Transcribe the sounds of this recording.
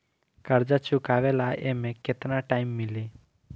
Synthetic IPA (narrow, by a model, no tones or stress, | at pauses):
kəɾd͡ʒat͡ʃʰʊkaːʋelaʔemẽket̪naʈaːɪmːɪli